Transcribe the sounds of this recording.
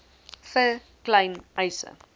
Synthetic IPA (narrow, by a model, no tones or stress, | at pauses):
fə | klɐjnʔɐjsə̰